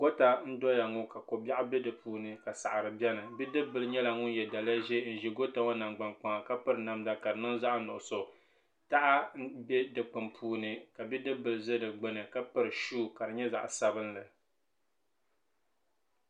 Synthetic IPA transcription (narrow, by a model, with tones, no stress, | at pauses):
ɡ̥o˦ta˨n̩˦dɔ˦ja˨ŋʊ˦ka˨ko˨ba˦ʔa˦bɛ˦dɨ˨puː˦nɨ˨ka˨sa˨ʔa˨ɾɨ˨bjɛ˦nɨ˨bi˦dɨ˦bɨ˨lɨ˨ɲɛ˦la˨ŋʊ˦n˦jɛ˨da˨lja˦ʒe˦n̩˦˨ʒi˨˦ɡo˦ta˦ŋo˦na˨ŋɡ͡ba˨nk͡pa˨ŋa˨ka˦pɨ˦ɾɨ˨na˦mda˦ka˨dɨ˨nʊ˦n˦za˦ʔnʊ˨ʔʊ˨so˨ | ta˦ʔa˦bɛ˦dɨ˨k͡pɨ˨mpʰuː˦nɨ˨ka˨bi˦dɨ˦bɨ˨lɨ˨zɨ˦dɨ˨ɡ͡bɨ˦nɨ˨ka˦pɨ˦ɾɨ˨ʃuː˦˨ka˨dɨ˨ɲɛ˦za̰˨ʔsa˦βɨ˦nlɨ˨